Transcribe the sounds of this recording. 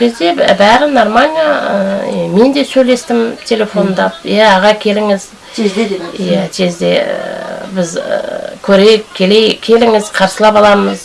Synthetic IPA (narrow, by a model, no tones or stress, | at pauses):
kʲʰe̞zd̪e̞bæʁənoɾmanʲija | me̞nd̪e̞sɵjle̞st̪ɪmt̪ʲʰe̞le̞fo̞nd̪ɑp̚jæːʁɑkʲʰe̞lɪŋɪz | jæt̪ʰe̞zd̪e̞ | bɪzkʲʰɵɾe̞jɪkʲʰːe̞le̞jkʲʰe̞lɪŋɪz̥qʰɑɾsəlˠɑpɑlˠɑməz